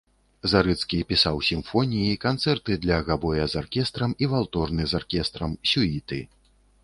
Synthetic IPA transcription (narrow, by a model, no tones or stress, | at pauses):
zaɾɨt̪skʲipʲisawsʲimfɔnʲijikant̪sɛrt̪ɨd̪lʲɐɣabɔjɐzarkʲɛst̪ɾɐmivalˠt̪ɔrnɨzarkʲɛst̪ɾɐmsʲuit̪ɨ̰